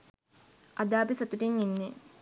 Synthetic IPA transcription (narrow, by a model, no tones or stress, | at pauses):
ʔɐd̪aːbisɐt̪uʈiŋinːe